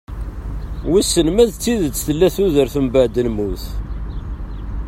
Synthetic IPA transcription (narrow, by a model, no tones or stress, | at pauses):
wisːənmæðt͡sːiðət͡sːθəlːæθuðəɾθumbəʕd̪əlmuθ